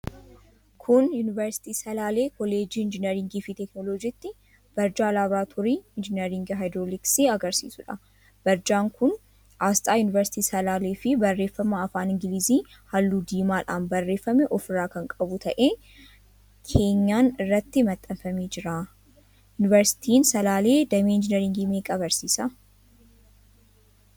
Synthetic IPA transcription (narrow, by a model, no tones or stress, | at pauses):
kʰʊnjʊnɪvɐɾsɪ̥t̪iːsɐlaːle̞ːkɔle̞ːd͡ʒiːɪnd͡ʒɪnɛɾɪŋɡiːfɪt̪ɛknoːloːd͡ʒiːt̪ːɪ | b̥ɐɾd͡ʒaːlaːbɾaːt̪ʰɔɾiːɪnd͡ʒɪnɛɾɪŋɡɦajd̪ɾolɪksiːɐɡɐɾsḭːsʊᶑɐ | b̥ɐɾd͡ʒaːŋkʊn | ʔaːst̪ʼaːjʊnɪvɛɾsɪ̥t̪iːsɐlaːleːfɪbɐrːe̞ːfːɐmɐːfaːnɪŋɡɪliːziː | hɐlːuːd̪iːmaːᶑaːnbɐrːe̞ːfːɐmɛʔɔfɪraːkɐŋkʼɐbʊt̪ʰɐʔe̞ː | kʰe̞ːɲːaːnɪrːɐt̪ːɪmɐt̪ʼːɐnfɐmeːd͡ʒɪɾaː | jʊnɪvɐɾsɪ̥t̪ʰiːnsɐlaːle̞ːd̪ɐmeːɪnd͡ʒɪnɐɾɪŋɡimeːkʼɐbɐɾsiːsɐ